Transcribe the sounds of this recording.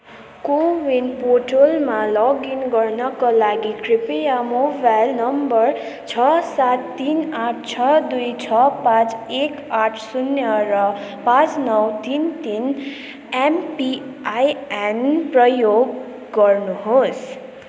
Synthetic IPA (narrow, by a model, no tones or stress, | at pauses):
kowinpoʈolmalɔɡinɡʌrnʌkalaɡikripejamobajlnʌmbʌr | t͡sʰʌsat̪ːinaʈʰt͡sʰʌd̪ujt͡sʰʌpãt͡sekaʈʰsunjʌɾʌpãt͡snʌwt̪int̪in | empiajenprʌjoɡ | ɡʌrnuɦos